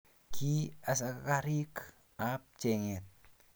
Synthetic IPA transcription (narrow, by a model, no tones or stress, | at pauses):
kʰias̬akakaɾik | ap̚t͡ʃeŋet̪̚